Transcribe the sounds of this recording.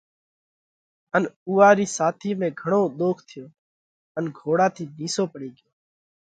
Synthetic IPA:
ənuːaːɾiːsaːt̪ʰiːmẽːɡʱəɳ̃oːɗ̪oːkʰt̪ʰɪjõː | ənɡʱoːɽãːt̪ʰiːniːsoːpəɽiːɡɪjoː

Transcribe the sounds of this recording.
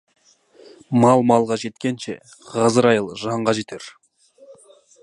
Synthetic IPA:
mɑlˠmɑlˠʁɑʒe̞t̪kʲe̞nʃe̞̰ | ʁɑzəɾɑjəlˠʒɑɴʁɑʒe̞t̪ʰeɾ

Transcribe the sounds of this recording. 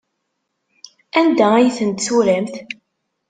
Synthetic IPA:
ænd̪ææjθənt̪suɾæmt̪

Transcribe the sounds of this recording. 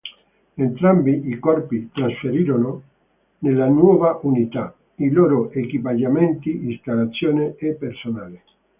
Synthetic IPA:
ent̪ɾambiʔikɔrpit̪ɾasfeɾiːɾono | nelːanwɔːvaʔunit̪a | iloːɾoʔekipad͡ʒament̪iist̪alːat̪sːjoːneepːersonaːle

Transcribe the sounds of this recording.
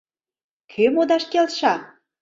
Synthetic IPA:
kʰymod̪ɑʃkelʃɑ

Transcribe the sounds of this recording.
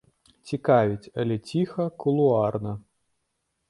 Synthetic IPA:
t͡sʲikavʲit͡sʲɐlʲɛt͡sʲixɐkulˠuarnɐ

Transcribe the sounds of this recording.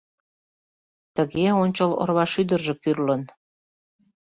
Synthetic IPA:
t̪əɣeonʲt͡ɕəlo̰rβɑʃyd̪ərʒĕkyrlən

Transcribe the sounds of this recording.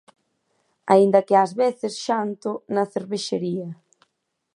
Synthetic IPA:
a̰ind̪ɐkɪazβeθɪsʃant̪ʊnɐθeɾβeʃeɾiɐ

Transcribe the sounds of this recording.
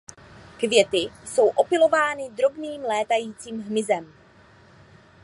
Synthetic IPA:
kvjɛt̪ɪso̞wʔo̞pɪlo̞vaːnɪd̪ɾo̞bniːmlɛːt̪ajiːt͡siːmɦmɪzɛm

